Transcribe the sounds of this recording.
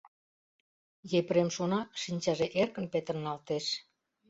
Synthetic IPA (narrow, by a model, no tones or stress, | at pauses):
jepɾemʃonɑʃinʲt͡ɕɑʒeʔerkə̆npet̪ərnɑlt̪eʃ